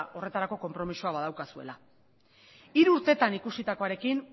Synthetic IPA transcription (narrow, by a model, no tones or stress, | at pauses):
ʔo̞re̞t̪aɾako̞ko̞mpɾo̞misuaβaðawkasue̞̰la | iɾuːɾt̪e̞t̪anikusit̪ako̞aɾe̞kin